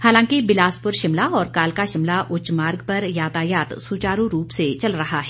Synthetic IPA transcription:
haːlãːkibɪlaːspʊɾʃɪmlaɔːɾkaːlkaʃɪmlaʔʊt͡ʃmaːɾɡpɐɾjaːt̪aːjaːt̪suːt͡ʃaːɾũɾuːpset͡ʃɐlɾɐɦaɦɛː

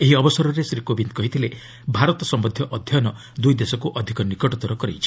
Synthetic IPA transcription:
eɦiɔbɔsɔɾɔɾesɾikobind̪̚kɔɦit̪ʰile | bʱaɾɔt̪ɔsɔmbɔd̪ʱjɔʔɔd̪ʱjɔnɔ | d̪ujd̪esɔkuʔɔd̪ʱikɔnikɔʈɔt̪ɔɾɔkɔɾḛjt͡ʃʰi̥

